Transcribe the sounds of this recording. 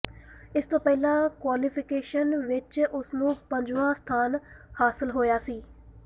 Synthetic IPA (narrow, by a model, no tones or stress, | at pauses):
ɪst̪õːpɛːlãːkwaːlɪpʰɪkeːʃənʋɪt͡ʃʊsnũːpəɲd͡ʒʋãːst̪ʰaːnhaːsɪlɦoːjaːsiː